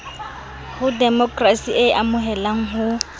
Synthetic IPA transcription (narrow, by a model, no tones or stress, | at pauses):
hʊdɛmɔkʼrasiʔeʔamʊɦɛlaŋ̩ɦʊ